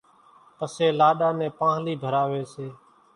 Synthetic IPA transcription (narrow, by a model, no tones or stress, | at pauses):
pəseːlaːɗaːnẽːpãːɦliːbʱəɾaːʋeːseː